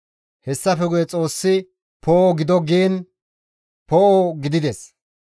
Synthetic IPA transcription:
hɛsːɐfɛɡʊjɛt͡sʼo̞ːsːɪ | pʰoːɔɡɪd̪ɔɡiːn | pɔɔɡɪd̪ɪd̪ɛs

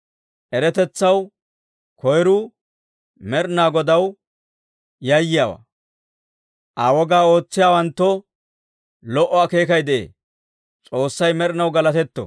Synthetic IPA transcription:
ʔɛɾɛt̪ɛt͡sːɐw | kʰɔjɾu | mɛɾnaːɡɔd̪ɐw | jɐjːɪjaːwa̰ː | ʔaːwɔɡaːo̞ːt͡sːɪjaːwɐnt̪ːɔ | lɔʔɔake̞ːkɐjd̪ɛʔḛː | t͡sʼo̞ːsːɐjmɛɾnɐwɡɐlɐt̪ɛt̪ːɔ̰

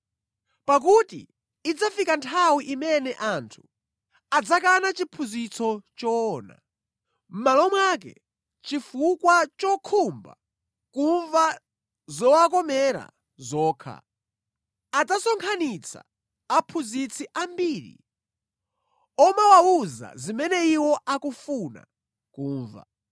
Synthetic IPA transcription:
pak̬utḭː | d͡zafikantʰawiʔimɛnɛʔantʰu̥ | ad͡zakanat͡ʃipʰuzit͡sʰɔt͡ʃɔːna̰ | m̩malɔmwak̬ɛ̰ | t͡ʃifukwat͡ʃɔkʰumba̰ | kuɱva | zɔwakɔmɛɾa̰ | zɔːkʰa̰ | ad͡zasɔŋkʰanit͡sʰa̰ː | pʰuzit͡sʰiʔambiːɾḭ | ɔmawauza̰zimɛnɛiwɔʔakufuna̰ | kuːɱva̰

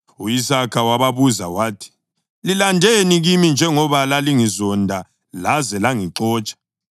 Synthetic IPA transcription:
uisakʰawaβaβuza̰waːtʰi̥ | lilandʱeniɣimind͡ʒʱɛŋɔβalaliŋizɔndʱa | lazɛlaŋiǃɔːt͡ʃʼḁ

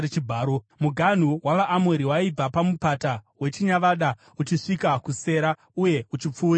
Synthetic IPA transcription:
et͡ʃibʱaːɾo | muɡʱan̤uwaʋaʔːmweɾiwaib͡vapamupatawe̞t͡ʃiɲaʋaɗa | ut͡ʃiʂikakuse̞ɾa | uje̞ut͡ʃip͡fuːɾi

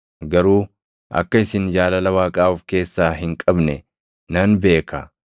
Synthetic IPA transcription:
ɡɐɾuː | ɐ̰kːɐɪsɪnd͡ʒaːlɐlɐwaːkʼaːʊfke̞ːsːaːɦɪŋkʼɐbnɛ | nɐnbe̞ːkɐ

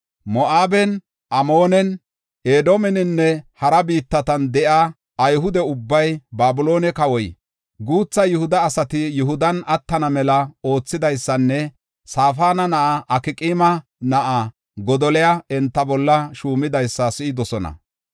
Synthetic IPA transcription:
mɔʔaːbɛn | ʔɐmoːnɛn | eːd̪omɛnɪnːɛhɐɾɐbiːt̪ːɐt̪ɐnd̪ɛʔa | ɐjɦʊd̪ɛʊbːɐjbaːbʊlo̞ːnɛkɐwɔj | ɡuːt͡sːɐjʊhʊd̪ɐːsɐt̪ɪjʊɦʊd̪ɐnɐt̪ːɐnɐmɛlɐo̞ːt͡sːɪd̪ɐjsːɐnːɛ | saːfaːnɐnɐʔaʔɐkɪkʼimɐnɐʔa | ɡɔd̪ɔlɛjaɛnt̪ːɐbɔlːɐʃuːmɪd̪ɐjsːɐsɪɪd̪ɔsɔnɐ̰

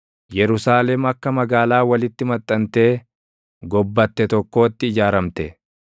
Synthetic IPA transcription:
jɛɾʊsaːlɛmɐkːɐmɐɡaːlaːwɐlɪt̪ːɪmɐt̪ʼːɐnt̪e̞ː | ɡɔbːɐt̪ːɛt̪ɔkːo̞ːt̪ːɪːd͡ʒaːɾɐmt̪ɛ

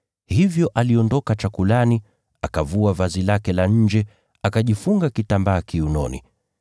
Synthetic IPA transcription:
hivjɔʔaliɔndɔkat͡ʃakulani | akavuavazilakɛlaɲ̩d͡ʒɛ | akaʄifuŋɡakitambaːkiunɔ̰nḭ

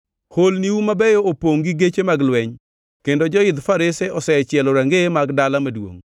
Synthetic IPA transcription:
holniwumabɛjoopoŋɡiɡet͡ʃemaɡlwɛɲ | kendod͡ʒɔɪd̪faɾɪsɛɔsɛt͡ʃjɛlɔɾaŋɡemaɡdalamadwo̰ŋ

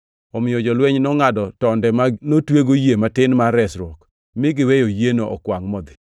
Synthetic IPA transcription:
ɔmɪɔd͡ʒɔlwɛɲnɔŋadɔtɔndɛmanotweɡojematɪnmaɾɛsɾwɔk | mɪɡɪwejojenoʔɔ̰kwaŋmɔd̪ɪ

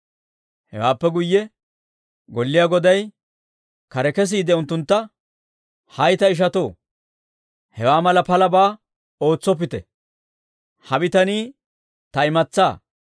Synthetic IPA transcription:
hɛ̰waːpːɛɡʊjːɛ | ɡɔlːɪjaːɡɔd̪ɐj | kɐɾɛkɛs̬iːd̪ɛʊnt̪ːʊnt̪ːɐ | hɐjt̪ɐɪʃ̬ɐt̪oː | hɛwaːmɐlɐpɐlɐbaː | o̞ːt͡sːɔp̬ːɪt̪ɛ̰ | hɐbɪt̪ɐniː | t̪ɐɪmɐt͡sːaː

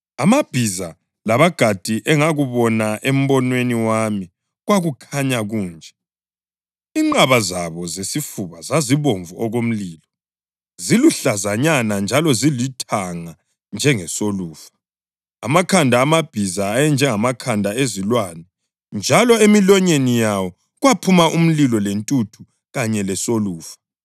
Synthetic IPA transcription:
amab̥ʱiza | laβaɡ̥ʱad̥ʱiʔɛŋaɣuβɔnaʔem̩βɔnweniwami | ɣwaɣukʰaɲaɣuːnd͡ʒʱɛ | iŋ͡ǃaβazaβɔzesifuβazaziβoɱvuɔɣom̩liːlɔ | ziluɬazaɲanand͡ʒʱalɔzilitʰaŋa | nd͡ʒʱɛŋɛsoluːfḁ | a̰makʰandʱaːmab̥ʱizaːjɛnd͡ʒʱɛŋamakʰandʱaezilwanɛ | nd͡ʒʱalɔemilɔɲenijawɔ | ɣwapʰumaʔum̩lilɔlentʼutʰu | ɣaɲɛlɛsoluːfḁ

